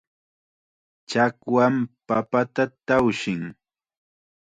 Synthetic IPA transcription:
t͡ʃakwampapat̪at̪awʃɪŋ

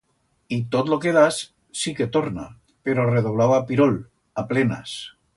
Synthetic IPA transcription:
it̪ot̪lokeð̞as | siket̪oɾna̰ | peɾoreðoβlawapiɾol | aplena̰s

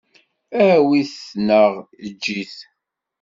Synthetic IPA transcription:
æwiθnəʁəd͡ʒːiθ

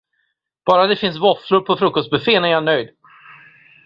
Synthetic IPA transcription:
b̥ɑːɾad̪ɛfɪns̬vɔflʊɾpʰɔfɾɵkːɔst̪̚bɵfeːnɛɾjanœjd̪

